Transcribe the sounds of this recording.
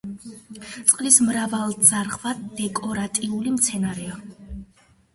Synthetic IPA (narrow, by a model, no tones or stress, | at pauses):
t̪sʼqʼlismɾavalˠd̪z̥aɾʁvad̪ɛkʼɔɾat̪ʼiulimt̪sʰɛnaɾɛa